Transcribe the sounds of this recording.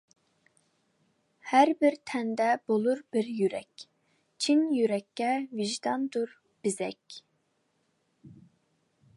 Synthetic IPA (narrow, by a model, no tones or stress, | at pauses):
hæɾbɪɾt̪ʰɛnd̪ɛb̥olˠuɾb̥ɪɾjyɾɛkʲ | t͡ʃʰinjyɾɛkʲːɛviʒd̪ɑnd̪uɾ | b̥ɪzɛkʲ